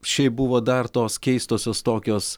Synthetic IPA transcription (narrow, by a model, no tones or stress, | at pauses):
ʃʲɛɪp̚bʊʋoːd̪ɐɾt̪oːskʲɛɪst̪oːsʲoːst̪oːkʲoːs